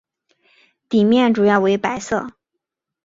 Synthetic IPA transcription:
t̪i˨˩mjɛ˥˩nʈ͡ʂu˨˩jɑ˥˩ʊwe˧˥ɪpa˧˥ɪsɤ̰˥˩

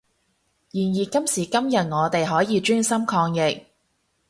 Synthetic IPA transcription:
jiː˨˩njiː˨kɐ˥msiː˨˩kɐ˥mjɐ˨t̚ŋɔː˨˧t̪e˨jɦɔː˨˥jiː˨˧t͡ʃyː˥nsɐ˥mkʰɔː˧ŋjɪ˨k̚

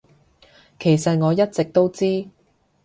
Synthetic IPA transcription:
kʰe˨˩jsɐ˨t̚ŋɔː˨˧jɐ˥t̚t͡sɪ˨k̚t̪o˥wt͡siː˥

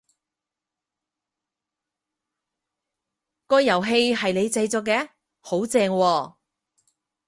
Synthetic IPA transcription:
kɔː˧jːɐ˨˩wɦe˧jɦɐ˨jle˨˧jt͡sɐ˧jt͡sɔː˨˧k̬ːɛː˨˥ | ho˨˥wt͡sɛː˧ŋwɔː˧

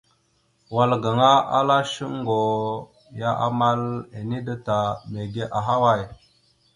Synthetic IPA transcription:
wa˨lɡa˨ŋa˦a̰˦la˦ʃi˦ŋ˦ɡo˨ | ja˦ʔa̰˨ma˦le˨ni˦da˦ta˨me˨ɡe˦ʔa˨ɦa˦wa˦˨j

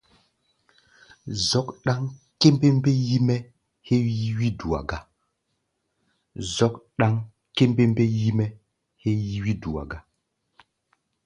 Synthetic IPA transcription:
zɔ˦kɗa˦ŋ | ke˦m˦be˦mbe˦ji˦mɛ˦ | he˦ji˦wi˦du˨a̰˨ɡa˦ | zɔ˦kɗa˦ŋ | ke˦mbe˦mbe˦ji˦mɛ˦ | he˦ji˦wi˦du˨a̰˨ɡa˦

